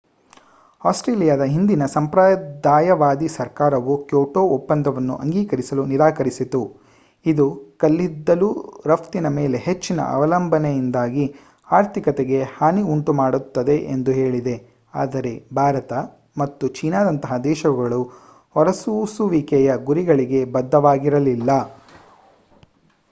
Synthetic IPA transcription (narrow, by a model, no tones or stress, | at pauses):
aːsʈɾeːlijaːd̪ɐɦind̪inɐsɐmpɾaːd̪aːjɐʋaːd̪isɐɾkaːɾɐʋukjoːʈoːopːɐnd̪ʱɐʋɐnːṵʔɐ̰ŋɡiːkɐɾisɐluniɾaːkɐɾisit̪u | id̪ukɐlːid̪ːɐluːɾɐpt̪inɐmeːle̞ɦet͡ʃːinɐ̰ʔɐ̰ʋɐlɐmbʱɐnejind̪aːɡi | aːɾt̪ʰikɐt̪eɡe̞haːniuɳʈumaːɽut̪ːɐd̪e̞ʔḛnd̪uɦe̞ːɭid̪e̞ | a̰ːd̪ɐɾe̞bʱaːɾɐt̪ɐ | mɐt̪ːut͡ʃiːnaːd̪ɐnt̪ɐɦɐd̪ɛːʃɐɡɐɭu | hɔɾɐsusuʋiːkɛjɐɡuɾiɡɐɭiɡe̞bɐd̪ʱːɐʋaːɡiɾɐlilːɐ